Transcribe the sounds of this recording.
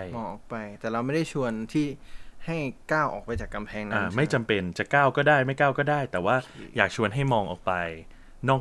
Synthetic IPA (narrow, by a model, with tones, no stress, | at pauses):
a˥˩mɔː˧ŋʔɔː˨˩k̚pa˧jt̪ɛː˨˩la˧˥wma˥˩jda˥˩t͡ɕʰu˧ənt̪ʰiː˥˩ha˥˩jkaː˥˩wʔɔ̰ː˨˩k̚pa˧jt͡ɕaː˨˩kːa˧mpʰɛː˧ŋnaaː˧˩ma˥˩jt͡ɕa˧mpe˧nt͡ɕa˨˩kaː˥˩wkɔː˥˩daː˥˩jma˥˩jkaː˥˩wkɔː˥˩daː˥˩jt̪ɛː˨˩waː˥˩jaː˨˩k̚t͡ɕʰu˧ənɦa˥˩jmɔː˧ŋʔɔː˨˩k̚pa˧j | nɔː˥˩k